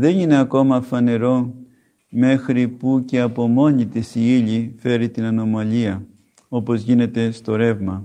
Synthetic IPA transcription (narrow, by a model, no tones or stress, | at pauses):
ðe̞nine̞ɐko̞mɐfɐne̞ɾo̞ | me̞xɾipuce̞ɐpo̞mo̞ɲit̪isiiʎife̞ɾit̪inɐno̞mɐʎiɐ | o̞po̞zʝine̞t̪e̞st̪o̞ɾe̞vmɐ